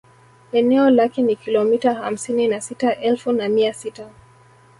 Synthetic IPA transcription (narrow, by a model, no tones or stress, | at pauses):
ɛnɛɔlakɛnikilɔmitaha̰m̩sininasitaʔɛlfunamiasita